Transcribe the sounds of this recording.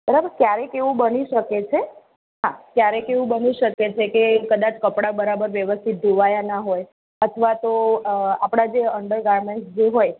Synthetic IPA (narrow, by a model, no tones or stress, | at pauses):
bəɾabəɾkjaɾekeʋũbəniʃəket͡ʃʰe | ɦãkjaɾɛkeʋũbəniʃəket͡ʃʰekekəd̪at͡ʃkəpɽabəɾabəɾʋjəʋəst̪ʰit̪̚d̪ʱuʋajanaɦoj | ət̪ʰəʋat̪oapɽ̃ad͡ʒeəɳɖəɾɡaɾmeɳʈsd͡ʒeɦoj